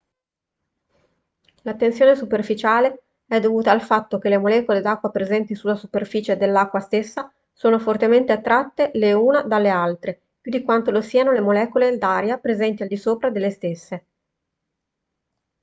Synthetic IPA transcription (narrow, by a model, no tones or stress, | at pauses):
lat̪ːensjoːnesuperfit͡ʃaːle | ɛd̪ovuːt̪aːlfat̪ːok̟elemolɛːkoled̪akːwapɾezɛnt̪isulːasuperfiːt͡ʃed̪elːakːwast̪esːa | soːnofort̪ement̪eat̪ːɾat̪ːeleuːnad̪alːealt̪ɾe | pjud̪ikwant̪olosiːanolemolɛːkoled̪aːɾjapɾezɛnt̪iald̪isoːpɾad̪elːest̪esːe